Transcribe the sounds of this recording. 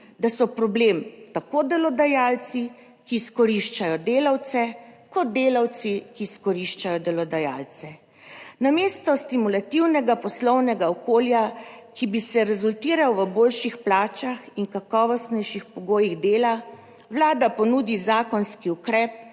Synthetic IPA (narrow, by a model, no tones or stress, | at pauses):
d̪asɔpɾɔblemt̪akod̪ɛlɔd̪ajalt̪si | kiːskɔɾiʃt͡ʃajɔd̪eːlawt̪sɛkɔd̪̚d̪eːlawt̪sikiskɔɾiʃt͡ʃajɔd̪ɛlɔd̪aja̰lt̪sɛ | nameːst̪ɔst̪imulat̪iwnɛɡapɔslɔwnɛɡaɔkoːljakibisɛɾɛzult̪iːɾawʋəboːlʃixplaːt͡ʃaxiŋkakɔːʋɔst̪nɛjʃixpɔɡoːjiɣd̪eːla | ʋlaːd̪apɔnud̪izaːkɔnskiukɾɛːp̚